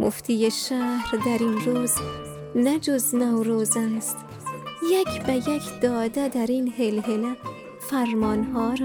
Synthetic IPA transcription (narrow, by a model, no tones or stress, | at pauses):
mʔo̰ft̪ʰiːjeʃæːhɾd̪æɾinɾuːz | næd͡ʒoznɒːwɾoːzæst̪ | jækʰbæjekʰd̪̥ɒːd̪æd̪æɾiːnhelɦelæ | fæɾmɒːnhɒːɾ